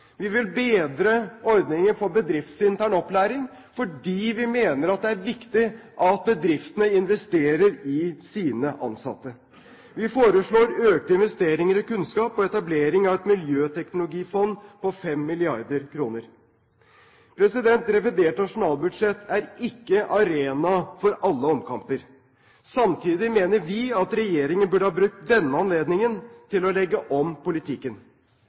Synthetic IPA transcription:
ʋɪʋɪlbeːd̪ɾəɔɾd̪nɪŋənfɔɾbəd̪ɾɪft̪sɪnt̪ʰæːɳɔplæːɾɪŋ | fɔɖiːʋɪmeːnəɾɑt̪̚d̪ɛæɾʋɪkt̪ɪʔɑt̪̚bəd̪ɾɪft̪ənəɪnʋɛst̪eːɾəɾɪsiːnəʔɑ̰nsɑ̰t̪ːə | ʋɪfoːɾəʂɭoːɾøːk̚t̪əɪnʋɛst̪eːɾɪŋəɾɔkʉnskɑːpɔɛt̪ɑbleːɾɪŋɑʋɛt̪mɪljøːt̪ʰɛknʊlʊɡiːfɔnːpɔfɛmːɪlɪɑɾd̪əɾkʰɾuːnəɾ | pʰɾɛsɪd̪ɛnt̪ɾɛʋɪd̪eːʈnɑʂʊnɑːlbʉd̪ʂɛt̪ːʰæɾɪkːəʔɑɾeːnɑfɔɾɑlːəɔmkʰɑmpəɾ | sɑmt̪ʰiːd̪ɪmeːnəɾʋɪɑt̪ɾɛjeːɾɪŋənbʉːɖəhɑːbɾʉk̚t̪d̪ɛnːəɑnleːd̪nɪŋənt̪ʰɪlɔlɛɡːəʔɔmpʊlɪt̪ʰɪkːən

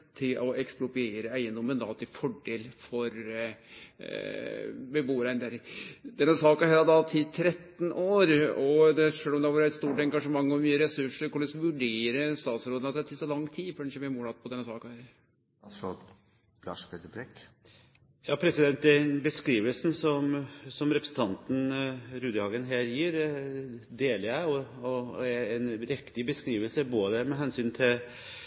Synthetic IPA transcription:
t̪ʰɪlɔɛksplʊpʏeːɾəæɪənd̪ɔmənd̪ɑ̰t̪ʰɪfɔɖeːlfɔɾ | bɛbuːɾæɪnd̪æɾd̪ɛnːəsɑːkɑhæːɾɑd̪ɑt̪ʰɪt̪ʰɾɛt̪ːnoːɾɔd̪ɛʂøːlɔmd̪ɛʋɑːɾəɛt̪st̪uːʈɛŋɡɑʂəmɑŋːɔmyːəɾɛsʉʂəɾkʊɭɛsʋʉɖeːɾəst̪ɑːt̪sɾoːd̪ənɑt̪ːæt̪ʰɪsɔlɑŋːt̪ʰiːfɔɖɛnɪçəɛmɛːmuːlɑt̪̚pʰɔd̪ɛnːəsɑːkɑhæːɾɾ | sɔ | lɑ̰ːʂpʰeːt̪əbɾɛk | jɑːpʰɾɛsɪd̪ɛnt̪ɛænbəskɾiːʋəlsn̩sɔmsɔmɾɛpɾə̥sn̩t̪ʰɑnt̪n̩ɾʉːd̪əhɑːɡənɦeːɾjiːɾ | d̪eːlɪæɔɔɛɛnɾɛkt̪ɪbəskɾiːʋəlsəboːd̪əmɛɦɛnsyːnt̪ʰɪl

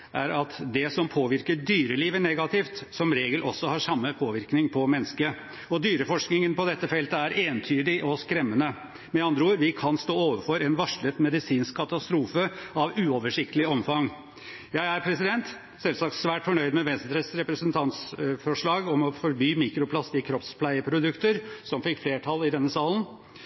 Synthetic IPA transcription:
ʔæ̰ɾɑt̪d̪ɛsɔmpʰoːʋɪɾkəɖyːɾəliːʋənɛɡɑt̪ʰɪft̪sɔmɾeːɡəlʔɔsːɔhɑʂɑmːəpʰoːʋɪɾknɪŋpʰɔmɛnːəskə | ɔd̪yːɾəfɔʂknɪŋənpɔd̪ɛt̪ːəfɛlt̪əæɾeːnt̪ʰyːd̪ɪʔɔskɾɛmːənə | mɛɑnd̪ɾəuːɾʋɪkʰɑnst̪oːoːʋəɾfɔɾɛnʋɑʂɭət̪mɛd̪ɪsiːnskʰːɑt̪ɑst̪ɾuːfəɑʋʉːoːʋəʂɪkt̪əlɪɔmfɑŋ | jæɪæɾpʰɾɛsɪd̪ɛnt̪ | sɛlsɑk̚t̪sʋæːʈfɔɳœʏd̪mɛʋɛnsnt̪ʰɾəsɾɛpɾəsənt̪ʰɑnt̪sfɔʂɭɑːɡɔmɔfɔɾbyːmiːkɾʊpʰlɑsɪkʰɾɔpspʰlæɪəpʰɾʊd̪ʉkt̪əɾsɔmfɪkːfleːʈʰɑlɪd̪ɛnːəsɑːlən̩

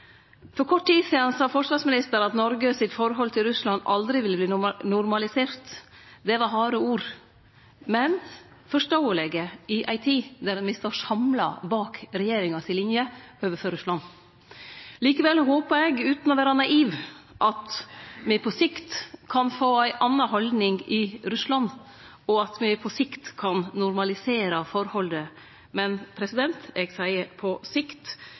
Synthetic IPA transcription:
fɔɾkʰɔʈʰːiːd̪siːɑnsɑːfɔʂʋɑɾsmɪnɪst̪əɾɑt̪nɔɾɡəsɪt̪fɔɾɦɔlt̪ʰɪlɾʉslɑnɑ̰ld̪ɾɪʋɪlːəbliːnʊɾmɑlɪseːɾt̪ | d̪ɛʋɑɾɦɑːɾəuːɾ | mɛn | fɔʂʈoːəlɛɡəɪʔɑɪt̪ʰiːd̪æɾmɪst̪oːʂɑmlɑ̰bɑːkɾɛjeːɾɪŋɑsɪlɪnjəoːʋəføɾʉslɑn | liːkəʋɛlɦoːpəɾɛɡʉːt̪nɔʋæːɾɑnɑʔiːʋʔɑt̪mɛpʰɔsɪkt̪kʰɑnfoːæɪʔɑnːɑɦɔld̪nɪŋɡɪɾʉslɑn | ɔɑt̪mɪpʰɔsɪkt̪kʰɑnnʊɾmɑlɪseːɾɑfɔɾhɔld̪ə | mɛnpʰɾɛsɪd̪ɛnt̪ɛɡsæɪəpʰɔsɪkt̪

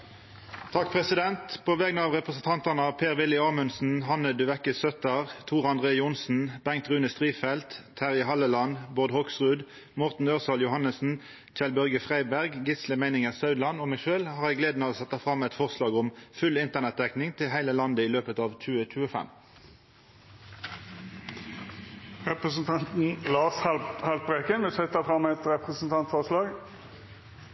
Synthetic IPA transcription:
t̪ʰɑk̚pʰʁɛsɪd̪ɛnt̪pʰɔʋɛɡnəɑːʋʁɛpʁəsənt̪ʰɑnt̪ənəɑpʰeːʁʋɪlːɪɑːmʉnsn̩ɦɑnːəd̪ʉʋɛkəsœt̪əʁt̪ʰuːʁɑnd̪ʁeːjʊnsn̩bɛŋ̚t̪ʁʉːnəst̪ʁiːfɛlt̪ːʰæʁɪɦɑlːəlɑnbɔʁd̪hɔksʁʉːd̪ | mɔʁt̪n̩øːʁsɑljʊhɑnəsn̩ | c͡çɛlbœʁɡəfʁæɪbæʁɡɡɪsləmæɪnɪŋəʁsɑʉd̪lɑnɔmæɪʃøːlhɑːʁɛɡleːd̪n̩ɑoːsɛt̪ːɑfʁɑmɛt̪fɔʁslɑːɡʊmfʉlɪnt̪əʁnɛt̪̚d̪ɛknɪŋt̪ʰɪlhæɪləlɑnd̪əiːløːpət̪ɑːʋc͡çʉːəc͡çʉːəfɛ̰m | ʁɛpʁəsn̩t̪ʰɑnt̪n̩lɑːshɑlt̪̚bʁekənmɪsɛt̪əfʁɑmɛt̪ɾɛpʁəsn̩t̪ʰɑnt̪fɔʁslɑːɡ

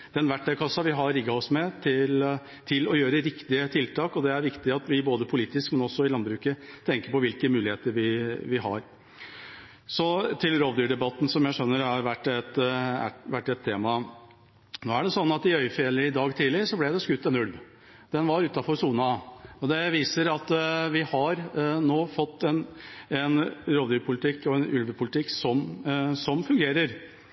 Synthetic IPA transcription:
d̪̥ɛnʋæʈːɛkʰɑsːɑʋɪɦɑɾɪɡːɑɔsmɛt̪ʰɪl | t̪ʰɪlɔjøːɾəɾɪkt̪ɪət̪ʰɪlt̪ʰɑːkɔd̪ɛæɾʋɪkt̪ɪɑt̪ʋɪboːd̪əpʰʊliːt̪ɪskmɛnɔsːɔɪlɑnbɾʉːkət̪ʰɛŋkəɾpɔʋɪlkəmʉːlɪheːt̪əɾʋɪʋɪɦɑ̰ɾ | sɔt̪ʰɪlɾoːʋd̪yːɖɛbɑt̪n̩sɔmjæɪʂœnːəɾɑɾʋæʈːɛt̪æ̰ʋæʈːɛt̪ʰːeːmɑ | noːæɖɛsɔnːɑt̪ɪœʏfɪɛləɾɪd̪ɑːɡt̪ʰiːlɪʂɔblæɪd̪ɛskʉt̪ːɛnʉlʋ | d̪̥ɛnʋɑɾʉːt̪ɑfɔɾsuːnɑɔd̪ɛʋiːsəɾɑt̪ʋɪhɑɾnoːfɔt̪ːɛnɛnɾoːʋd̪yːpʰʊlɪt̪ʰɪkːɔɛnʉlʋəpʰʊlɪt̪ʰɪkːsɔmsɔmfʉŋɡeːɾəɾ

